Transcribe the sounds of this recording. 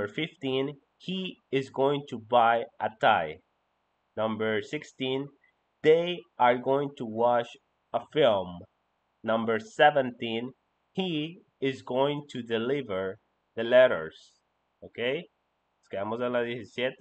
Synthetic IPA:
ə˞fɪftĩn | hiɪzɡoɪ̃ŋtʰubaɪʔətʰaɪ | nʌ̃mbə˞sɪkstĩn | ðeɪə˞ɡoɪ̃ŋtʰuwɑʃ | əfɪlˠm | nʌ̃mbə˞sɛvə̃ntĩn | hi | ɪzɡoɪ̃ŋtʰudɨlɪvə˞ | ðɨlɛɾə̰˞z̥ | okʰeɪ | skæmozɛladisisjɛt̪

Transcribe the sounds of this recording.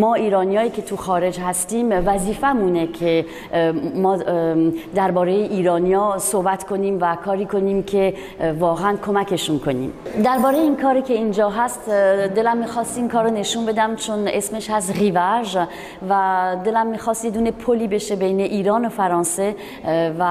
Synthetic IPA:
mɒːiːɾɒːnijɒːjiːcʲʰe̞t̪ʰuxɒːɾe̞d͡ʒhæst̪iːmvæziːfæmune̞kʰe | mɒː | d̪æɾbɒːɾejeʔiːɾɒːnijɒːsohbæt̪kʰo̞niːmvækʰɒːɾiːko̞niːmcʰe̞ | vɒːɣeænkʰo̞mækʰe̞ʃunkʰo̞nḭːmd̪æɾbɒːɾejeiːnkʰɒːɾiːkʲʰe̞iːnd͡ʒɒːɦæst̪d̪e̞læmːiːxɒːst̪iːmkʰɒːɾone̞ʃuːnbe̞d̪æmt͡ʃʰone̞smeʃhæz̬ɣivæʒ | væd̪e̞læmːiːxɒːst̪jed̪uːne̞pʰoliːbe̞ʃe̞be̞jne̞ʔiːɾɒːnofæɾɒːnse̞ | væ

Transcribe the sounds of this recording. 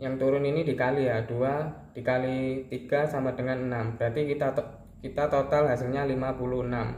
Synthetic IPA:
jaŋt̪uɾʊninidikalijad̥ua | d̥ikalit̪iɡ̥asamadəŋanənambəɾat̪ikit̪a | kit̪at̪ot̪alɦasɪlɲalimapuluhənam

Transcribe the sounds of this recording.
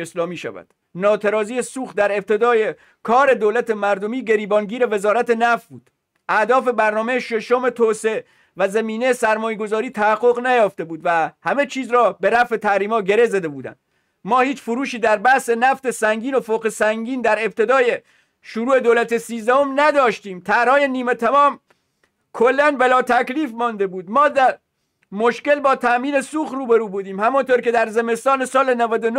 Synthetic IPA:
eslɒːmiːʃæ̰væ̰d̪̥ | nɒːt̪ʰeɾɒːzijesuːx̚d̪æɾe̞b̚t̪ʰe̞d̪ɒːje | kʰɒːɾe̞d̪oːlæt̪ʰemæɾd̪omiːɟe̞ɾiːbɒːnɡiːɾe̞ve̞zɒːɾæt̪e̞næft̪̚buːd̪̥ | ʔæd̪ɒːfe̞bæɾnɒːme̞jeʃe̞ʃome̞t̪ʰoːsee | væzæmiːnejesæɾmɒːjeɡo̞zɒːɾiːt̪ʰæhæɡːo̞ɣnæjɒːft̪e̞buːd̪væhæme̞t͡ʃʰiːzɾɒːbe̞ɾæfe̞t̪ʰæhɾiːmɒːɟe̞ɾe̞zæd̪e̞buːd̪æ̰nd̪̥ | mɒːhiːt͡ʃfoɾuːʃiːd̪æɾbæhsenæft̪e̞sæŋɡiːno̞foːqesæŋɡiːnd̪æɾe̞b̚t̪ʰe̞d̪ɒːje | ʃuɾuːe̞d̪oːlæt̪esiːzd̪æho̞mnæd̪ɒːʃt̪iːmt̪ʰæɾɒːje̞niːmet̪ʰæmɒːm | kʰolːænbelɒːt̪ʰækliːfmɒnd̪e̞buːd̪mɒːd̪æɾ | moʃke̞lbɒːt̪ʰæʔmiːnesuːxruːbeɾuːbuːd̪iːmhæmɔnt̪oɾke̞d̪æɾzeme̞st̪ɒːne̞sɒːle̞nævæd̪ono

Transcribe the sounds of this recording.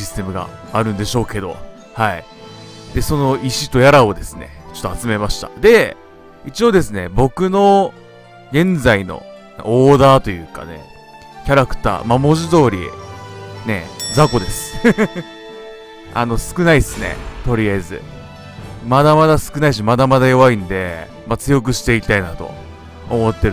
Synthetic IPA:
isɨ̥t̪e̞mɯ̟ɡa̰ːɾɯ̟̃nd̪e̞ɕo̞ːke̞d̪o̞̰ | hai | d̪̥e̞so̞no̞iɕit̪o̞jaɾao̞d̪e̞sɨ̥ne̞̰t͡ɕo̞t̪ːoat͡sɨme̞maɕi̥t̪a̰d̪e̞ | it͡ɕio̞ːd̪e̞sɨne̞̰bo̞kɯ̟no̞ | ɡẽ̞nd͡zaino̞̰ | oːd̪aːt̪o̞jɯ̟̰ːka̰ne̞̰ | kʲaɾakɯ̟̥t̪a̰ːmamo̞ʑid̪o̞ːɾʲḭ | ne̞̰d͡zako̞d̪e̞sɨ̥ | a̰no̞sɨ̥kɯ̟naisɨne̞̰t̪o̞ɾʲijazɨ̰ | mad̪amad̪asɨ̥kɯ̟naiɕ̬imad̪amad̪ajo̞βaĩnd̪e̞ | mat͡sɨjo̞k̬ɯ̟ɕi̥t̪e̞ikʲi̥t̪ainat̪o̞̰ | omo̞t̪ːeɾɯ

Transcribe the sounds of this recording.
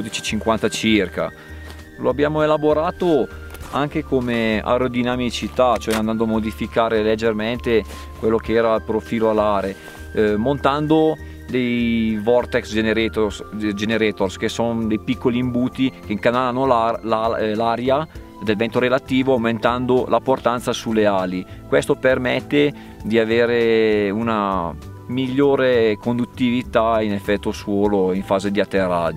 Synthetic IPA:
od̪it͡ʃit͡ʃiŋkwant̪at͡ʃirka̰ | loabːjaːmoelaboɾaːt̪o | aŋk̟ekomea̰ɾod̪inamit͡ʃit̪at͡ʃoɛand̪and̪oamod̪ifikaːɾeled͡ʒːerment̪e | kwelːok̟eɛːɾalpɾofiːloalaːɾe | mont̪and̪o | d̪ejvɔrt̪ɛksd͡ʒeneɾesd͡ʒeneɾɛːt̪orskesond̪ejpikːoliːmbuːt̪ikeŋkanalanolalalaːɾja | d̪elvɛnt̪oɾelat̪iːvoawment̪and̪olʔaport̪ant̪sasulːeaːlikwest̪opermɛt̪ːe | d̪iaveːɾeuna | miʎːoːɾekond̪ut̪ːivit̪ainefːɛt̪ːoswɔːloiɱfaːzed̪iat̪ːerːa̰d͡ʒo

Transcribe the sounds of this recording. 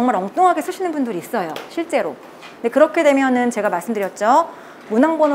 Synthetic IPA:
ʌŋmaɾʌŋt͈oŋɦaɡe̞sʰɯɕʰinɯnbundɯɾiːs͈ʌjo̰ɕʰiɭt͡ɕ͈e̞ɾo̰ | nde̞kɯɾʌkʰe̞dwe̞mjʌnɯnt͡ɕe̞ɡamaɭs͈ɯmdɯɾjʌt̚t͡ɕ͈o | munaŋbʌn

